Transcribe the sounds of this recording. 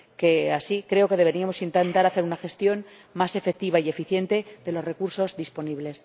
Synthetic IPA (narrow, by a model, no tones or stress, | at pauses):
ke̞asikɾe̞o̞ke̞ðe̞β̞e̞ɾiamo̞sint̪ent̪aɾaθe̞ɾunaxe̞st̪jo̞n | mase̞fek̚t̪iβaie̞fiθje̞nt̪e̞ðe̞lo̞re̞kuɾso̞zðispo̞niβle̞s